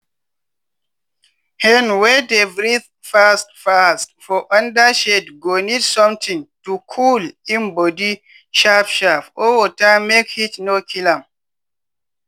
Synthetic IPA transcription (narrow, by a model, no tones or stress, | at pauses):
hɛnwɛdevɹiθ | fast̚fastfɔʔãndaʃɛdɡonidsɔ̃mt̪ʰĩŋtukʰulĩnbɔdi | ʃafʃafɔwɔtamekhitnokʰilãm